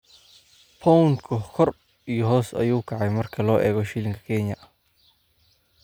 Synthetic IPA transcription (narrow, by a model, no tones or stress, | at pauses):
pʰɔwnkʰʊkʰɔr | ijɔɦɔːsɐ̰juːkʰɐʕɑjmɐrkʰɐlɔːʔɛːɣɔʃiːlɪŋkʰɐ̥kʰɛɲjɐʔɐ